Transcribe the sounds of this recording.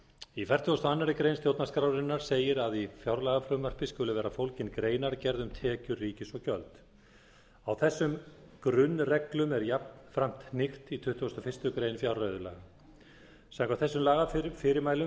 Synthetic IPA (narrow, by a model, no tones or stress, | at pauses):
ifɛr̥t̪ʰuɣɔst̪ɔanːaɾɪkɾejnst̪jowt̪naskɾawɾɪnːaɾ̥seːjɪɾaðifjawɾlaːɣaflœmar̥pɪskʏːlʏvɛːɾafowlcɪnkɾeːjnaɾcɛɾðʏmt̪ʰɛːcʏriːcɪsɔɣcœlt̪ | awθɛsːʏmkɾʏnːrɛklʏmɛɾjapnfɾam̥t̪nɪxt̪it̪ʰʏht̪ʰuʏst̪ɔfɪr̥st̪ʏkɾeːjnfjawɾːœɥðʏla̰ːɣa | sɛ̃mkawθɛsːʏmlaːɣaɾfɪɾɪɾmaːjlʏ